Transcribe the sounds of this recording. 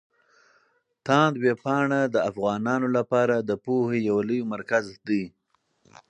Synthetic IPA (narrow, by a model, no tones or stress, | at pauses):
t̪ɑ̃nd̪wepɑɳad̪əafɣɑnɑnolapɑɾad̪əpohejawaləjomaɾkazd̪əj